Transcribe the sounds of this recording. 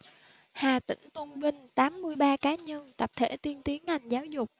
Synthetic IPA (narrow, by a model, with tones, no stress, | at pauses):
haː˨˩t̪ï˧˩ŋ̟t̪ə˧nvï˧ŋ̟t̪aː˨˦mːɨ˧əjɓaː˧kaː˨˦ɲə˧nt̪a˨˩p̚t̪ʰḛ˧˩t̪i˨˦ənt̪i˨˦ənːa˨˩jŋ̟zaː˨˦wzʊ˨˩k͡p̚